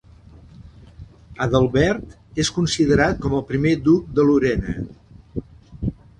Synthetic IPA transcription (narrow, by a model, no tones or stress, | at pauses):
əðəlˠβɛɾt̪ | eskunsiðəɾat̪̚kɔməlˠpɾimed̪uk̚d̪əluɾɛnə̰